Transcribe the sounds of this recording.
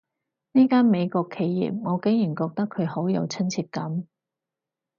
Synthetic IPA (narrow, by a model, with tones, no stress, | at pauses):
niː˥kaː˥nme˨˧jkɔː˧kʰːe˨˧jːḭː˨p̚ŋɔː˨˧ke˨˥ŋjyː˨˩nkɔː˧k̚t̪ɐ˥kʰːɵ˨˧ɥho˨˥wjɐ̰˨˧wt͡sʰɵ˥nt͡sʰiː˧t̚kɐ˨˥m